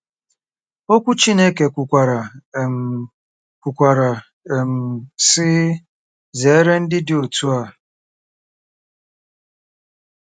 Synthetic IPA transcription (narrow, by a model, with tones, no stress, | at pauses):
o˦kʷu˦t͡ʃi˦ne˦ke˨kʷu˨kʷa˨ɾa˨ | kʷu˨kʷa˨ɾa˨ | e˨m̩˨sɪ˦ | ze˨e˦ɾe˦n̩˦dɪ˦dɪ˦o˨tu˦a˦˨